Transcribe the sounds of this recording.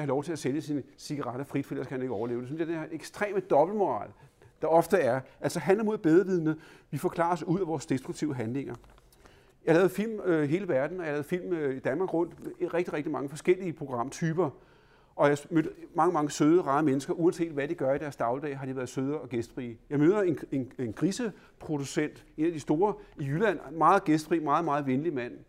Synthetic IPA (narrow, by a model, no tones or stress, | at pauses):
hɑlɒʊt͡sʰe̝æseljəsinsiɡ̥ɑ̈ʁɑ̈ɾ̥ɐfʁid̥fel̰ɐskæhæne̝ɡ̥əɒʊɐle̝ːʊ̥e̝synsjd̥eæɐeɡ̥sd̥ʁḛːməd̥ɒ̽b̥l̩mo̝ʁɑ̰̈ːld̥ɑ̈ɒ̽fd̥əæɐʔælsɒɦænlɐmo̝ð̰ˠb̥eð̞ˠʁɐʋiðˠənəʋifɒ̽kʰlɑ̰̈ːɑsuð̰ˠæʋɒːsd̥esd̥ʁuɡ̚t͡sʰiʊəɦænle̝ŋɐ | jɑhlɛːʊð̩ˠfil̰mɦe̝ːləʋæɐd̥n̩ɒjɑhlɛːʊð̩ˠfil̰mid̥ænmɑ̈ːɡ̥ʁɔ̽n̰d̥meʁeɡ̥d̥iʁeɡ̥d̥imɑ̈ŋəfɒ̽sɡ̥el̰iəpʰʁo̝ɡ̥ʁɑ̈m̰t͡sʰyːb̥ɐ | ʔɒ̽jɑ̈ɪmød̥ɐmɑ̈ŋəmɑ̈ŋəsøːð̞ˠəʁɑ̈əmenəsɡ̥ɐʔuænse̝̰ːd̥ʋæd̥iɡ̥ɶɐid̥æɐsd̥ɑ̈ʊld̥ɛ̰ːɦɑ̈d̥iʋæːɐð̞̩ˠsøːð̞ˠɐɒ̽ɡ̥esd̥fʁiːjɑɪmøːð̞ˠɐe̝nenenɡ̥ʁisə | pʰʁo̝d̥usen̰d̥e̝næd̥isd̥o̝ːɐijylæn̰mɑ̈ːð̩ˠɡ̥esd̥fʁḭːmɑ̈ːð̩ˠmɑ̈ːð̞̩ˠʋenlimæn̰